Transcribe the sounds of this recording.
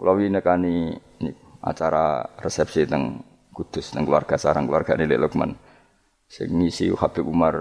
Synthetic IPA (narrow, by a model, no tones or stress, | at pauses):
klawinəkani | ni | a̰t͡ʃaɾa̰rɛsɛp̚sit̪əŋ | kud̪̥ʊst̪əŋkluwarɡ̥asaɾaŋkluarɡ̥anilɛ̰ʔlək̚ma̰n | sɪ̰ŋnisḭhab̥ɛumar